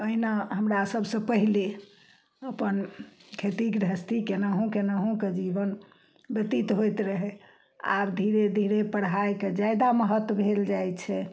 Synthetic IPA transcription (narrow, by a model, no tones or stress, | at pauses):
əɦinaɦəmɾasəbʱsə̃pəɦile | əpənkʰet̪ikd̪ʱəst̪ikenəɦõkenəɦõked͡ʒibən | bjət̪it̪ɦojt̪ɾəɦe | a̰bd̪ʱiɾed̪ʱiɾepəɽ̤ɦajked͡ʒajd̪aməɦət̪wəbʱeld͡ʒajt͡ʃʰɛ